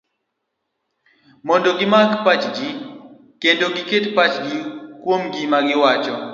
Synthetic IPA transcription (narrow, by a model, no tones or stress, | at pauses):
mɔndoɡɪmakpat͡ʃɡi | kendoɡiketpat͡ʃɡikwomɡimaɡɪwat͡ʃɔ